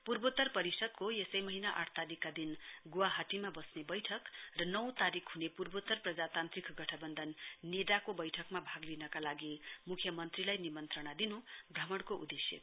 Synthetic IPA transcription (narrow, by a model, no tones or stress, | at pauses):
purbot̪ːʌrpʌɾisʌd̪̚kojesʌjmʌɦinaʔa̰ʈʰt̪aɾikːad̪inɡuwaɦaʈimabʌsnebʌjʈʰʌkrʌnʌwt̪aɾikʰɦunepurbot̪ʌrprʌd͡zat̪ant̪rikʰɡʌʈʰʌbʌnd̪ʱʌnːed̪akobʌjʈʰʌkmabʱaɡlinʌkalaɡimukʰjʌmʌnt̪rilajnimʌnt̪rʌɽ̃ad̪inubrʌmʌɽ̃koʔṵd̪esjḛ